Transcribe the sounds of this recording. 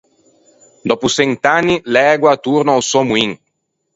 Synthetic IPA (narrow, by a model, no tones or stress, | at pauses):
d̪ɔpusɛnt̪anːilɛɡwat̪uɾnaawsɔmuiŋ